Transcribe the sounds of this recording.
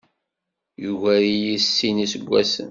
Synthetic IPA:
juvæɾijisːinisəɡʷːæsə̰n

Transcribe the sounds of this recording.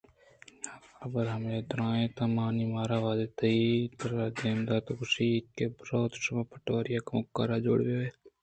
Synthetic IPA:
əbəɾɦəmeːt̪ɾãːẽːt̪amaːniːmaːɾaːʋaːd̪eːt̪ɐit̪əɾaːd͡ʒeːmd̪aːt̪okʊsikebɾoːt̪ʃəmãːpəʈʋaːɾɪjaːkmʊkːaːɾaːd͡ʒo̰ːɽʋoːeː

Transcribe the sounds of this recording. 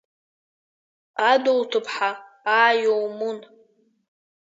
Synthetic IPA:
adowtʰɨpʰħa | aːjowmun

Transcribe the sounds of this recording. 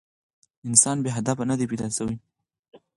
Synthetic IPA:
ɪnsɑnbeɦad̪afanad̪iped̪ɑsawi

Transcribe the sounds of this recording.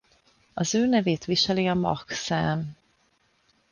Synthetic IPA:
ɒzøːnɛveːt̪ʋiʃɛliɒmɒ̰ksaːn

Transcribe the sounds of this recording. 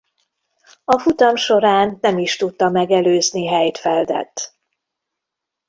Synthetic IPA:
ɒfut̪ɒmʃo̞ɾaːnːɛmiʃt̪ut̪ːɒmɛɡɛløːzniɦɛjt̪fɛld̪ɛ̰t̪ː

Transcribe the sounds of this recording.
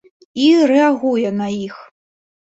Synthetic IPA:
irɛaɣujɛnɐix

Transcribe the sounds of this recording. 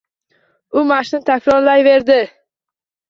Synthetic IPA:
ʊmaʃnɪt̪ʰakʲʰɾɒɾlajve̞ɾd̪ɪ

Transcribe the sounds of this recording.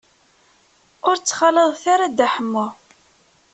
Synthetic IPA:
ʊɾt͡sːχɑləðˤθaɾad̪aħəmːʊ

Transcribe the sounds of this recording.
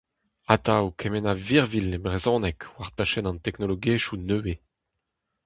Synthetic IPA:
at̪awkʰɛmɛnaviʁvilebʁezɔ̃nɛkwaʁt̪aʃɛnɑ̃nt̪ɛknoloɡeʃunøwe

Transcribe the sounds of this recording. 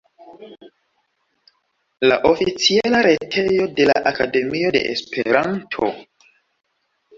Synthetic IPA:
laʔo̞fit͡sialaɾe̞tʰe̞jo̞de̞la̰ʔakade̞mio̞de̞̰ʔḛspʰe̞ɾantʰo̞̰

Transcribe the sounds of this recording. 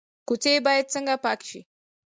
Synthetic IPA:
kut͡sebajet͡səŋɡapakʃḭ

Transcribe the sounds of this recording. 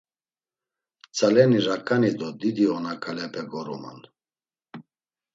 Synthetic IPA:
t͡sʰʼalɛniɾakʼanid̪ɔd̪id̪iɔnakʼalɛpʰɛɡɔɾṵma̰n

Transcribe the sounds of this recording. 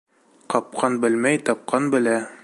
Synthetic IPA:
qɒp̚qʰɑnbɘ̆lmæjt̪ɑp̚qɑnbɘ̆læ

